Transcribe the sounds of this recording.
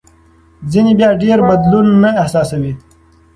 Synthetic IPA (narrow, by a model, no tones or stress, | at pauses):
zinibjaːɖeːɾbɐd̪lunːaɪhsaːsɐwi